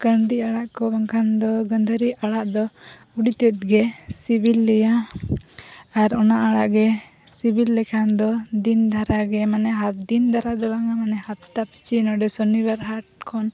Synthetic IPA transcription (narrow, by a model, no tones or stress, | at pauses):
kəɳd̪iaɽaʔkɔbaŋkʰand̪ɔɡənd̪ʱəɾiaɽaʔd̪ɔ | uɽit̪ɛt̪̚ɡɛsibilːɛja | aɾɔnaʔaɽaʔɡɛ | sibʱilːɛkʰand̪ɔd̪ind̪ʱaɾaɡɛmanɛɦat̪̚d̪ind̪ʱaɾad̪ɔbaŋamanɛhat̪̚t̪apʰi̥t͡ʃinɔɖɛsɔnibaɾɦaʈ̚kʰɔn